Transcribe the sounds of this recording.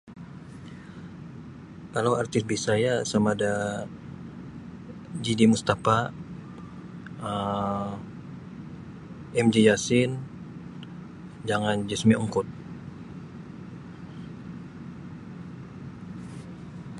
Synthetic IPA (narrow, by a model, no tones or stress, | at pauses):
kalawart̪ɪs̚bisajasamada | d͡ʒidimust̪afa | ə | ɛmd͡ʒijasɪn | d͡ʒaŋand͡ʒəsmiʔuŋkʊt̪̚